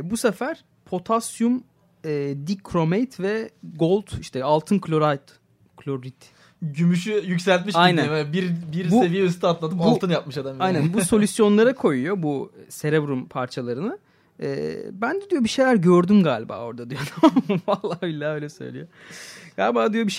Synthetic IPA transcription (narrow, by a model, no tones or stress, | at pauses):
busefæɾ̥ | pʰo̞t̪ʰasjum | ɛːd̪ikʰɾo̞mejt̪vɛɡo̞lˠt̪ʰiʃt̪ʰɛalˠt̪ʰɯnkʰlʲoɾajt̪ | kʰlʲoɾːit̪ | ɟymyʃyjycsælʲt̪miʃajnænmɛbiɾbiɾsbue̞vijɛys̬t̪ʰyat̪lˠat̪ɯpalˠt̪ɯnjap̚mɯʃad̪amajnænbuso̞lʲysjo̞nlˠaɾakʰo̞jujo̞buse̞ɾebɾumpʰaɾt͡ʃʰalˠaɾɯnɯ | ɛ̰ːbænd̪ɛd̪ijo̞biʃe̞jlʲæɾɟøɾd̪ymɡaːlʲiba̰ːo̞ɾd̪ad̪ijonavalˠːaːbilʲːaːø̞jlʲɛsø̞̰jlʲijoɡ̥aːlʲibaːd̪ijo̞biʃ